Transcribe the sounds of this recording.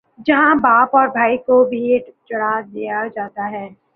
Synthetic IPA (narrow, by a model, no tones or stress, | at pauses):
d͡ʒɐɦãbaːpɔːɾbʱaːikobʱiɖt͡ʃɐɽad̪ijad͡ʒaːt̪aɦɛː